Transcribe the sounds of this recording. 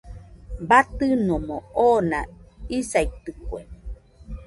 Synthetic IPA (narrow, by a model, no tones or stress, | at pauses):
bat̪ɨnomõonã̰isait̪ɨkwe